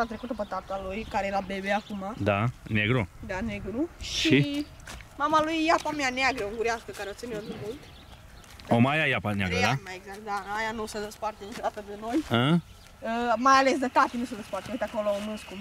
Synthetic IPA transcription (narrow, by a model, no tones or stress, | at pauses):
at̪ɾekut̪əpət̪at̪alujkaɾejelabebeakumad̪aneɡɾud̪aneɡɾuʃʃii | mamalujːapameaneaɡɾəuŋɡuɾʲeaskəkaɾeot̪sineod̪umult̪ | omajajapanea̰ɡəaaeɡzakt̪d̪aajanusəd̪espart̪enit͡ʃod̪at̪əd̪eno̞jə | əmajalesd̪et̪at̪inusəd̪espart̪eoit̪akoloonɨsku